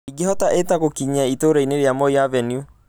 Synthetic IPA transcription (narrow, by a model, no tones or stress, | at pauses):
iɡehɔtaʔetaɣokiɲaitoɾaineɾeamɔiavɛniu